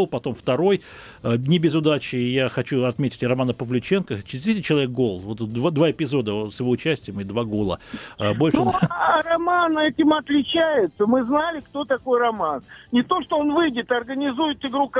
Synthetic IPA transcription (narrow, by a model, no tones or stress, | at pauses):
lˠpɐt̪o̞mft̪ɐɾo̞j | ənʲɪbʲɪzʊd̪at͡ɕɪjaxɐt͡ɕuɐt̪mʲetʲɪ̥tʲrɐmanəpəvlʲʉt͡ɕe̞nkət͡ɕɪɪzʲd̪ʲesʲɪt̚ʲt͡ɕːɪlˠɐvʲek̚ɡo̞lˠvo̞t̪d̪vad̪vaɪpʲɪzo̞d̪əsjɪvo̞ʊt͡ɕæsʲtʲɪjɪmɨɪd̪vaɡolˠə̰bo̞lʲʂɨuɾɐmanɛtʲɪmɐt̪lʲɪt͡ɕæjɪt̪səmɨznalʲɪkt̪o̞t̪ɐko̞jrɐmannʲɪt̪o̞ʂt̪oonvɨjdʲɪt̪ɐrɡənʲɪzujɪt̪ɪɡɾuk